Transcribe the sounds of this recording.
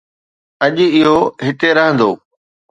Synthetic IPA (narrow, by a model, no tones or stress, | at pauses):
ɐʄɪɦoɦɪʈeɾɐɦə̃nd̪oː